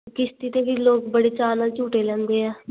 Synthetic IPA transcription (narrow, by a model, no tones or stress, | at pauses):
kɪst̪iːt̪eːʋiːloːkbəɽeːt͡ʃaːnaːlt͡ʃuːʈeːlɛ̃ːnd̪eːɛː